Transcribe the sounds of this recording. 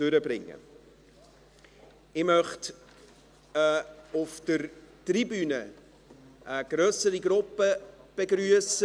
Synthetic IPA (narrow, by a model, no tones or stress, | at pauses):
tøɾəbɾɪŋːə̰ | ɪmœχt | ʊfd̥əɾtribyːnə | ʔəɡ̥ɾœːsəɾiɡɾʊpəb̥eɡɾyəsə